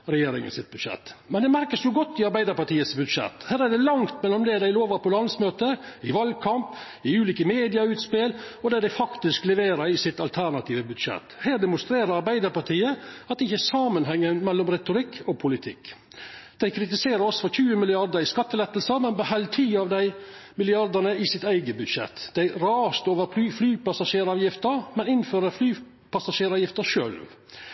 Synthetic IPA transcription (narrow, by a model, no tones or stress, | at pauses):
ɾɛjeːɾɪ̰ŋə̰nsɪt̪̚bʉd̪ʂɛ̰t̪ːmɛnd̪ɛmæɾkəsnuːɡɔt̪ːɪɑɾbæɪd̪əɾpɑʈiːəsbʉd̪ʂɛ̰t̪ːhæːɾæɖɛlɑŋt̪mɛlːɔmd̪ɛd̪æɪloːʋɑpʰɔlɑnsmøːt̪əɪʋɑlɡ̚kʰɑmp | ɪʉːliːkəmeːd̪ɪɑʉːt̪spɪlɔd̪ɛd̪æɪfɑkt̪ɪsklɛʋeːɾəɾɪsɪt̪ɑlt̪ʰæɳɑt̪ʰiːʋəbʉd̪ʂɛ̰t̪ːheːɖ̪ɛmʊst̪ɾeːɾəɾɑɾbæɪd̪əɾpɑʈʰiːəɑt̪d̪ɪçəæsɑːmənɦɛŋːənmɛlːɔmɾɛt̪ʊɾɪkʰːɔpʰʊlɪt̪ʰɪ̰kː | d̪̥æɪkʰɾɪt̪ɪseːɾəɾɔsfɔçʉːəmɪlɪɑɾd̪əɾɪskɑt̪ːəlɛt̪ːəl̩səmɛnbəhɛlt̪ʰiːɑʋd̪æɪmɪlɪɑɾd̪ənəɪsɪt̪æɪɡəbʉd̪ʃɛ̰t̪d̪̥æɪɾɑːst̪oːʋəɾp̪ʰyːflyːpɑsɑʂeːɾɑːʋjɪft̪əɾmɛnɪnføːɾəɾflyː | pɑsɑʃeːɾɑːʋjɪft̪əʃø̰ːlʋ